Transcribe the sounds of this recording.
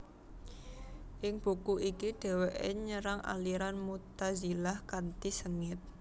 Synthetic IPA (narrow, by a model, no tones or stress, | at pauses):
ʔɪŋb̥ṳkuikiɖ̥ɛ̤weʔḛɲəɾaŋʔa̰liɾanmut̪azilahkant̪isəŋɪt̪̚